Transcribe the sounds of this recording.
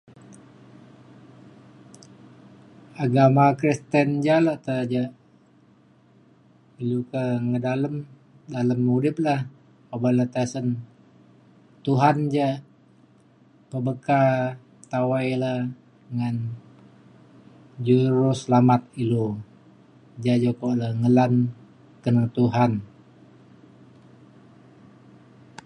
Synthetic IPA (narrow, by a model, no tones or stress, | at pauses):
aɡamakɾist̪ənd͡ʒalaʔt̪əd͡ʒaʔ | ilukəŋədaləm | daləmːudɪp̚lah | obalat̪asən | t̪uɦand͡ʒaʔ | pəbəka | t̪awajlə | ŋan | d͡ʒuɾusəlamat̪̚ilu | d͡ʒad͡ʒokoləŋəlan | kənəŋt̪uɦan